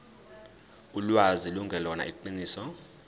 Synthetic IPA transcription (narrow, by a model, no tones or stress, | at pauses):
ulwaziluŋɡʱɛlɔna̰ʔik̬ǃiniːsɔ